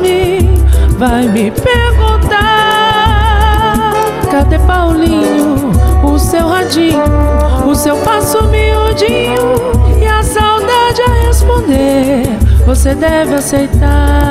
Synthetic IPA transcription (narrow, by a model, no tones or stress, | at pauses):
mɪ | vajmɪpeɾɡũt̪a | kad̪epawlĩɲʊʊsewhad͡ʒĩɲʊːsewpasʊmeʊd͡ʒĩɲʊɪasawd̪ad͡ʒahespõnd̪e | vosed̪ɛvɪasejt̪a